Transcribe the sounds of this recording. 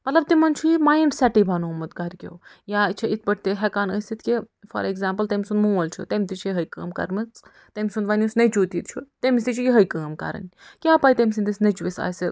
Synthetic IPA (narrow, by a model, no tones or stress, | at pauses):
mɐt̪lɐb̚t̪imɐnt͡ʃʰujimajiɳɖsɛʈibʱɐnumɐt̪ɡɐɾkʲo̰wjaːt͡ʃʰiit̪̚ʰbɐʈ̚ʰt̪eɦɛkaːnəjsit̪ʰkʲi | fɐ̰ɾeɡzaːmpɐlt̪emʲsunmũːɐlʲt͡ʃʰṵt̪emʲt̪it͡ʃʰijiɦɐjkəːmkɐ̰ɾmɨt͡s | t̪emʲsund̪ʋɐnʲiusnɐt͡ʃuːt̪iːt̪̚t͡ʃʰut̪emisit͡ʃʰujiɦɐjkəːmkɐ̰ɾɐ̰nkʲaːpaːjt̪emʲs̬ind̪isnɐt͡ʃuʋisa̰ːsi